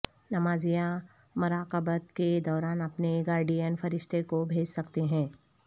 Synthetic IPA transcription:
nɐmaːzijã | mʊɾaːqəbət̪ked̪ɔːɾaːnɐpneɡaːɾɖienfɐɾɪʃt̪ʰekobʱeːd͡ʒsɐkt̪eɦɛ̃ː

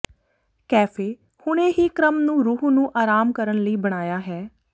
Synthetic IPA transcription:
kɛːfʰeː | hʊɽ̃ẽːɦiːkɾəmnũːɾuːɦnũːʔaːɾaːmkəɾəɳləiːbəɽ̃aːjaːɦɛː

